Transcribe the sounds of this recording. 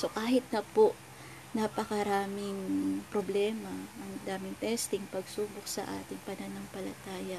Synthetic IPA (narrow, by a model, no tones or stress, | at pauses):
so̞kaːɦɪt̪̚nɐpoʔ | nɐpɐkɐɾaːmɪŋpɾoblɛːmɐʔɐŋd̪aːmɪŋt̪ɛst̪ɪŋpɐɡsuːbok̚sɐ̰ʔa̰ːt̪ɪŋpɐnɐnɐŋpɐlɐ̰t̪aːjɐ